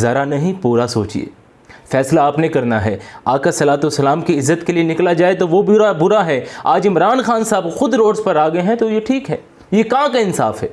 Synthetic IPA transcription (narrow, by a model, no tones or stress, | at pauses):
zɐɾanɐɦĩpuːɾasoːt͡ʃḭḛː | fɛːslaːpnekɐɾnaɦɛ̰aːkasɐlaːt̪usɐlaːmkiɪzːət̪kelienɪklad͡ʒaːet̪oʋobɾabʊɾaɦɛaːd͡ʒɪmɾaːnxaːnsaːbxʊd̪ɾoːɖspɐɾaːɡɐeɦɛ̃t̪ojeʈʰiːkɦɛː | jekɐɦãkaɪnsa̰ːfɦɛː